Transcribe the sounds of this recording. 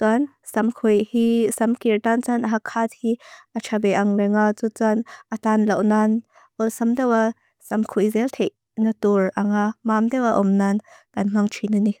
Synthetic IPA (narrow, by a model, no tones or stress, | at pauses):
t̪uan | sɐmkʰujhisɐmkirtant͡sanʔaɦakʰːat̪̚hiʔɐt͡ʃʰabɛʔɐŋlɛŋat͡sut͡sanʔɐt̪anlɐwnan | ʔɔlsamdɛwa | sɐmkʰujzɛltʰɛjʔ | nɐturʔɐŋamamd̪ɛwaʔɔmnantanŋ̥aŋt͡ʃʰinani